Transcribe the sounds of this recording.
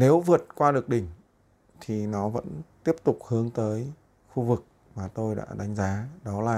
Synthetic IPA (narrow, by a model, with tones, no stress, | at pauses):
ne˨˦wvɨ˨˩ət̚kwaː˧ɗɨ˨˩ək̚ɗï˨˩ŋ̟ | t̪ʰi˨˩nɔ˨˦və̰˧˥nt̪i˦˥əp̚t̪ʊ˨˩k͡p̚hɨ˨˦əŋt̪əː˨˦j | xu˧vɨ˨˩k̚ | maː˨˩t̪o˧jɗa̰ː˧˥ɗa˨˦jŋ̟zaː˨˦ɗɔ˨˦laː˨˩